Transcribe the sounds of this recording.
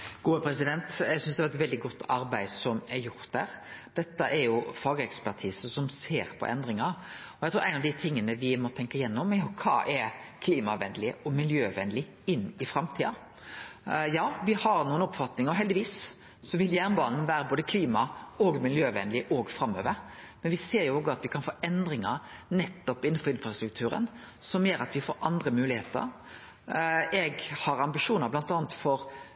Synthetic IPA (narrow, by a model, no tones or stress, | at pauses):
ɡ̥uːəpʰɾɛsɪd̪ɛnt̪jæɪɡsʏnsd̪ɛhæɑɾɛt̪ʋɛld̪ɪɡɔt̪ːɑɾbæɪsɔmɛɾjʊɾt̪d̪æːɾd̪̥ɛt̪ːəʔɛɾjʊfɑːɡəɛkspæʁʈ̪ʰiːsəsɔmseːɾpʰɔ̰ʔɛ̰nd̪ɾɪŋɑɾɔjæɛɪt̪ʰuːʔæɪnɑʋd̪ɪt̪ʰɪŋːənəʋɪmɔt̪ʰɛŋkɑɪjɛnːɔmːɛhɔkʰɑ̰ːʔɛɾkʰliːmɑʋɛnlɪɔmɪljøːʋɛnlɪ | ɪnːɪfɾɑmt̪ʰiːɑ | jɑːʋɪhɑɾnuːənɔpfɑt̪nɪŋəɔɦɛld̪ɪʋiːs | sɔʋɪljæʁnbɑ̰ːnn̩ʋæːɾəboːd̪əkʰliːmɑɔɡmɪljøːʋɛnlɪʔɔɡfɾɑmːø̰ːʋəɾmɛnʋɪseːɾjʊɔːɡəɑt̪ʋɪkʰɑnfoːʔɛnd̪ɾɪŋə̰nɛt̪ːɔpɪn̩ːfɔɾɪnfɾɑst̪ɾʉk̚t̪ʰʉːɾə̰n | sɔmjøːɾɑt̪ʋɪfoːɾʔɑnd̪ɾəmʉːlɪheːt̪ə̰ɾ | ɛɡhɑɾɑmbɪʂuːnəɾblɑnt̪ɑːnət̪fɔɾ